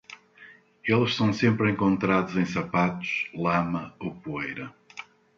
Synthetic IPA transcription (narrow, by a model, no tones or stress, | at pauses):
elˠʃsɐ̃w̃sẽmpɾẽŋkõnt̪ɾaðuzẽj̃sɐpat̪ʊ̥ʃlˠamɐowpuejɾɐ